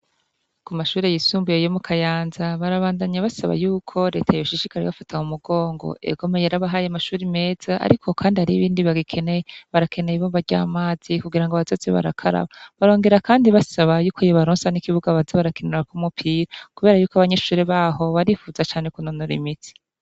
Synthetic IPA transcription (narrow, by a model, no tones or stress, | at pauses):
kumaʃuːɾe̞jisuːmbujejomukʰajaːnzaβaɾaβaːndaɲaβasaβa̰juːkʰo̞ɾe̞ːtʰajoʃiʃikaɾeβafatʰaumuɡo̞ːŋɡo̰ʔe̞̰ɡo̞mejeɾaβaɦajamaʃuːɾime̞ːz̥aʔa̰ɾikʰo̞kʰaːndihaɾiβiːndiβaɡikʰeneeβaɾakʰe̞nejiβobaɾɟa̰ːmaːz̥ikuɡiɾaŋɡoaβazot͡sḛβa̰ɾa̰kʰaɾa̰βaβaɾo̞ːŋɡe̞ɾakaːndiβasaβajuːkojoβaɾoːnsanikiβuɡaβazaβaɾakeneɾakumupʰiːɾakuβe̞ːɾajuːkaβaɲe̞ʃuːɾe̞βaho̞βaɾifuːzat͡ʃaːne̞kunonoɾḭmiti̥